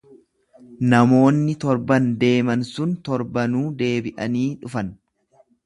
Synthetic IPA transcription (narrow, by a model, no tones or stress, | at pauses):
nɐmo̞ːnːɪt̪ɔɾbɐnd̪e̞ːmɐnsʊnt̪ɔɾbɐnuːd̪e̞ːbɪʔɐ̰niːᶑʊfɐn